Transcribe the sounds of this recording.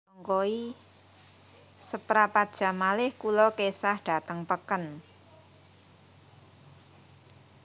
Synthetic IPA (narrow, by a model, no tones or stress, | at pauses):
ɔŋkoi | səpɾapad̥ʒ̥a̤malɪhkulɔkesahɖ̥a̤t̪əŋpəkən